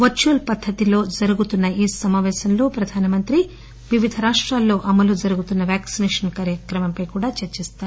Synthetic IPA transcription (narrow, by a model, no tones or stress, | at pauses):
ʋɐt͡ʃuːlpɐd̪ʱːɐt̪ilo̞ːd͡ʒɐɾuɡut̪unːɐiːsɐmaːʋɛːʃɐnlo̞ːpɾɐd̪ʱaːnɐmɐnt̪ɾi | ʋiʋid̪ʱɐɾaːʂʈɾaːlːo̞ːʔɐmɐlud͡ʒɐɾuɡut̪unːɐʋjaːksinɛːʂɐnkaːɾjɐkɾɐmɐmpɐjkuːɽaːt͡ʃɐɾt͡ʃist̪aːɾu